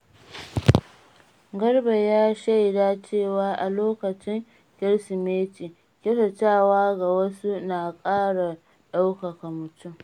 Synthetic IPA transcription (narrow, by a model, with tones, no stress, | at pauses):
ɡɐ˦rba˨jaː˦ʃa˦jdaː˦t͡ʃeː˦˨waː˦ʔa˨loː˦kɐ˨t͡ʃɪ˦ŋ | kʲɪ˦ɽsɪ˨meː˦t͡ʃiː˨ | kʲe˦ɸɐ˨t͡ʃaː˦˨waː˦ɡa˨wɐ˦su˦naː˨kʼaː˦ɽa˨ | ɗa˦wkɐ˨ka˨mʊ˨tʊ˦m